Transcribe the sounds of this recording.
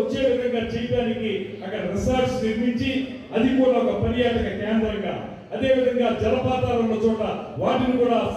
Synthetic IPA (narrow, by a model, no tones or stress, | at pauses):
ɐt͡ʃːe̞ːʋid̪ʱɐŋɡaːt͡ʃɛjɐʈaːniki | ɐkːɐɽɐɾisaɾt͡ʃniɾmiɲt͡ʃi | ɐd̪ikuːɽaːɔkɐpɐɾijaːʈɐkɐkɛːnd̪ɾɐŋɡa̰ː | ɐd̪e̞ːʋid̪ʱɐŋɡaːd͡ʒɐɾɐpaːt̪aːlɐnːot͡ʃuːʈɐʋaːʈinikuːɽaː